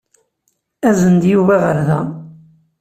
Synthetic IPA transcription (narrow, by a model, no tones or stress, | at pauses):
æzənd̪juvæʁəɾðæ